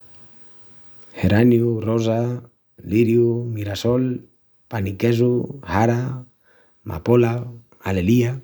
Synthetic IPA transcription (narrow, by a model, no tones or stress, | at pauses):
heɾanjuroza | liɾjumiɾasol | panikezuhaɾa | ma̰pola | alelia